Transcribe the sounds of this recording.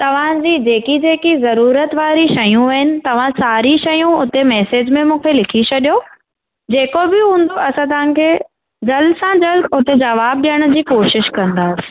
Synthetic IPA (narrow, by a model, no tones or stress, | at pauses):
t̪ɐʋ̤ãd͡ʑiːd͡ʑeːkid͡ʑeːkizɐɾuːɾət̪ʋaːɾiʃɐjũʋɐɦɪnɪ̆t̪ɐʋ̤ãsaːɾiʃɐjũʊt̪emɛːseːd͡ʑmẽmũːkʰelɪkʰit͡ɕʰɐɗijo | d͡ʑeːkobɪɦũːn̆d̪oʔɐsãt̪ɐʋ̤ãkʰeː | d͡ʑɐlsãd͡ʑɐlʊt̪ed͡ʑɐʋaːb̚ɗijəɽ̃ʊ̆d͡ʑiːkoːʃɪʃkɐ̃nd̪aːsɪ̥